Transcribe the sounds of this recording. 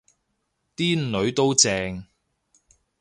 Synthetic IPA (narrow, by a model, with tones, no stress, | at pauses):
t̪iː˥n˨lɵ˨˧ɥt̪o˥wt͡sɛː˧ŋ